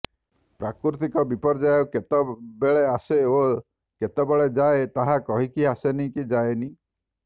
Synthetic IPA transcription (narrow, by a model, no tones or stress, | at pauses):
pɾakɾɾut̪ikɔbipɔɾd͡ʒajɔket̪ɔbeɭeaseo | ket̪ɔbeɭed͡ʒaet̪aɦakɔɦikiasenikid͡ʒajeni